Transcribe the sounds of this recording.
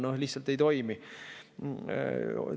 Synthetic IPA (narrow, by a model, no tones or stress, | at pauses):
nohlihtsɑlt̪ːe̞jt̪o̞jmi